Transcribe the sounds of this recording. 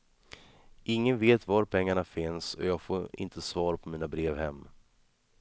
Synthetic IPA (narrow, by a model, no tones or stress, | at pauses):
ʔɪŋːənveːt̪vaɾpʰɛŋːaɳafɪnsɔ̰jɑːɡfoːɾɪ̰nt̪ʰəsvɑːɾpʰɔmiːnabɾeːvhɛmː